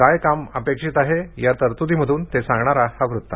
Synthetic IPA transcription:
kajkaməpekʂiːt̪aɦejaɾt̪əɾt̪ut̪iməd̪ʱuːnt̪esãŋɡɳaɾahaʋɾut̪ːa̰

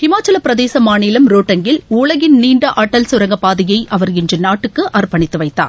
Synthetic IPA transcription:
hɪmaːt͡ʃːɐlɐpɪɾɐðeːsɐmaːniːlɐmɾoːʈːɐŋɡɪluːɭɐɣɪnniːɳɖɐʔɐʈːɐlsʊɾɐŋɡɐpaːðɪjɐɪʔɐʋɐɾɪndrɯnaːʈːɯkːɯʔɐɾpɐɳɪt̪ːɯʋɐɪːa̰ːɾ

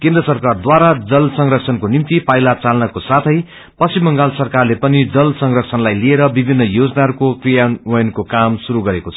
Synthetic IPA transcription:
kẽnd̪rʌsʌrkard̪waɾad͡zʌlsʌŋrʌksʰʌnkonimt̪ipajlat͡salnʌkosat̪ʰʌj | pʌsimːʌŋɡalsʌrkarlepʌnid͡zʌlsʌŋrʌksʰʌnlajlieɾʌbibʱinːʌjod͡znaʌɾkokrijanwʌjʌnkokamsuɾuɡʌɾekot͡sʰʌ

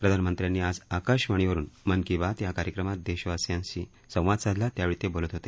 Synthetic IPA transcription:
pɾəd̪ʱanəmənt̪ɾjanːiːad͡zakəɾɕʋəɳ̃iʋəɾuːnmənkĩʋat̪jakaɾjəkɾəmat̪̚d̪eɕʋasjãnɕi | sə̃w̃ʋad̪sad̪ʱlat̪jaʋiɭit̪ebolət̪ɦot̪e

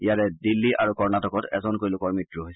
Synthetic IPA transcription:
ijatɛdilːiʔa̰ɹukɔɹnatɔkɔtɛ̰zɔnkoɹilʊkɔɹmitɹuɦojsɛ

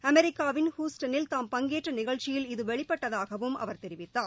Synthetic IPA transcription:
ɐmɛɾɪkːaːʋɪnhuːsʈɐnɪlt̪aːmpɐŋɡeːʈrɐnɪɣɐɭt͡ʃɪjɪlɪðɯʋɛɭɪpːɐʈːɐðaːɣɐʋɯmʔɐ̰ʋɐɾt̪ɛɾɪʋɪt̪ːaː

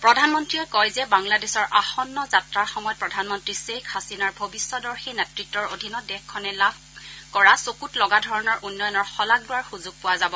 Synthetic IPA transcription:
pɹɔdʱanmɔntɹiɛkɔjzɛbaŋladesɔɹʔaxɔnːɔzatɹaɹxɔmɔjɔt̚pɹɔdʱanmɔntɹisekʰxasinaɹbʱobisːɔdɔɹxinɛtɹitːɔɹodʱinɔdɛxkʰːɔnɛlabʱkɔɹasokutlɔɡadʱɔɹɔnɔɹʔunːɔjɔnɔɹxɔlaɡ̚lʊwaɹxuzuɡ̚pʊwazabɔ

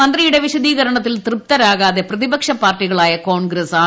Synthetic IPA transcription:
ɐnd̪rijuɽe̞ʋiɕɐðiːɣɐɾɐɳɐt̪ːilt̪rɨp̚t̪ɐɾaːɣaːðe̞prɐðibɐkʂɐpːaːrʈːiɣɐɭaːjɐkoːɳɡɾɐsaː

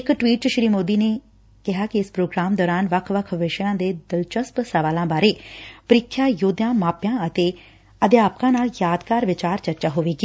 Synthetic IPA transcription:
ɪkʈʋiːʈ̚t͡ʃəʃɾiːmoːd̪iːneː | kɪɦaːkiɪspɾoːɡɾaːmd̪ɔːɾaːnʋəkʰʋəkʰʋɪʃjãːd̪eːd̪ɪlt͡ʃəspsəʋaːlãːbaːɾeːpəɾɪːkʰːjaːjoːd̪jãːmaːpjãːət̪eː | əd̪ɪjaːpkãːnaːljaːd̪kaːɾʋɪt͡ʃaːɾt͡ʃəɾt͡ʃaːɦoːʋeːɡiː

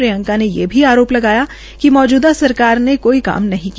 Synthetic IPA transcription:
ɾijə̃ŋkanejḛbʱiaːɾoːplɐɡaːja | kimɔːd͡ʒuːd̪asɐɾkaːɾnekoːika̰ːmnɐɦĩki

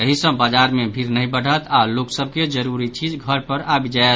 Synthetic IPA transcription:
jəɦisə̃bad͡ʒaɾmebʱiɾnəɦĩbəɽ̤ʱət̪ʰaloksəb̚ʱked͡ʒəɾuɾit͡ʃid͡ʒɡʱəɾpəɾabid͡ʒaet̪

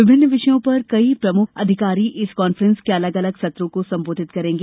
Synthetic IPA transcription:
ʋɪbʱɪnːʋɪʃəjõpɐɾkɐipɾɐmʊkʰɐ̰d̪ʱɪkaːɾiʔɪskɔːnfɾə̃nskeɐləɡɐləɡsɐt̪ɾõkosɐ̃mboːd̪ʱɪt̪̚kɐɾẽːŋɡeː

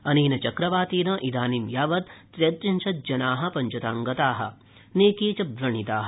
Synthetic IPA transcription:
ɐniːnɐt͡ʃɐkɾɐʋaːt̪iːnɐʔid̪aːnimjaːʋɐt̪̚ːɾet̪ɾinʃʰɐt̪̚d͡ʒɐnaːɦɐ̆pɐɲt͡ʃɐt̪aːŋɡɐt̪aːɦɐ̰̆ | neːkiːt͡ʃɐbɾɐɳit̪aːɦɐ

